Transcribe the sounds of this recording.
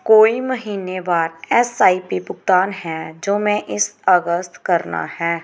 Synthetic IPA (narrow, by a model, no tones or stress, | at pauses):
koːimɐɦiːnebaːɾɛsaːipipʊk̚t̪aːnɦɛd͡ʒoːmɛ̃ʔɪsɐɡəst̪kɐɾna̰hɛː